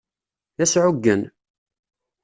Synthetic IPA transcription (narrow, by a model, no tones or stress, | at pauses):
ðæsʕʊɡːən